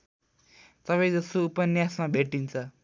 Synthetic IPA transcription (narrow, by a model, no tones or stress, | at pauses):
t̪ʌpaj̃d͡zʌst̪oupʌnjasmabʱeʈint͡sʰʌ